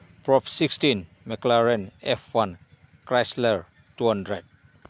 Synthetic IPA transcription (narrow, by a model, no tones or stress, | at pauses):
pɹɔfsikstĩn | mɛklaɹɛ̃nɛfwãn | kɹasləɹ | tuhãndɹɛd̚